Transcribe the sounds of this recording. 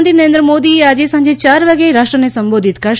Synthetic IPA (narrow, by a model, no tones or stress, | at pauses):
nt̪inɐɾẽnd̪ɾɐmoːd̪iaːd͡ʒesɐɲd͡ʒʱet͡ʃaːɾʋɐɡeɾaːʂʈɾɐnesɐmboːd̪ʱit̪kɐ